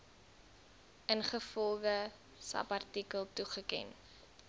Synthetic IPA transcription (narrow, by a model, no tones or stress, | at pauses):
ʔənχəfɔlˠdə | sɐ̰pɐrtikəlˠtuχəkɛ̰n